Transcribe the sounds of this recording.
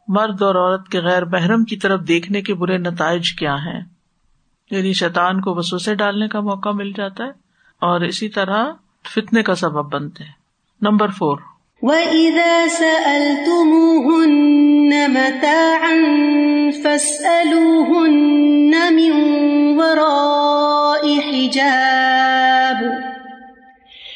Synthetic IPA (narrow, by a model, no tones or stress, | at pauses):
mɐɾd̪ɔːɾɔːɾət̪keɣɛːɾmɛɦɾəmkit̪ɐɾəfd̪eːkʰnekebʊɾenɐt̪aːɪd͡ʒkjaːɦɛ̰̃ː | jaːniʃɛːt̪aːnkoʋɐsoːseɖaːlnekamɔːkamɪld͡ʒaːt̪aɦɛː | ɔːɾɪsit̪ɐɾa | fɪt̪nekasɐbəbːɐ̃nt̪eɦɛ̃ː | nɐ̃mbəɾfoːɾ | wɐʔɪðaːsaʔɐlt̪ʊmuːɦʊnːamat̪aːʕanfasʔaluːɦʊnːamɪnwɑɾˤɑː | ʔɪħɪd͡ʒaː | b